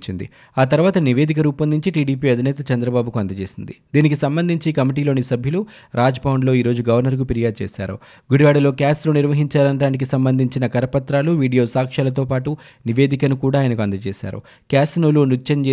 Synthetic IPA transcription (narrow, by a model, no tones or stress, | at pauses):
t͡ʃind̪ḭ | aːt̪ɐɾuʋaːt̪ɐniʋe̞ːd̪ikɐɾuːpɐnd̪ʱiɲt͡ʃiʈiːɖiːpiːɐd̪ʱinɛːt̪ɐt͡ʃɐnd̪ɾɐbaːbukuɐnd̪ɐt͡ʃeːsind̪ḭd̪iːnikisɐmbɐnd̪ʱiɲt͡ʃiːkɐmiʈ̬iːlo̞ːnisɐbʱjiɐlu | ɾaːd͡ʒbawuɳɖlo̞ːiːɾo̞ːd͡ʒuɡɐʋɐɾnɐɾkupiɾijaːd̪̚t͡ʃeːʃa̰ːɾṵ | ɡuɽiʋaːɽɐlo̞ːkjaːsloːniɾʋɐɦiɲt͡ʃaːlɐɳɖaːnik̬isɐmbɐnd̪ʱiɲt͡ʃinɐkɐɾɐpɐt̪ɾaːluʋiːɖijo̞ːsaːkʂaːlɐt̪̬o̞ːpaːʈu | niʋeːd̪ikɐnukuːɽaːjɐnɐkuɐnd̪ɐt͡ʃeːʃa̰ːɾṵ | kaːsnoːlunut͡ʃːɐɲt͡ʃeː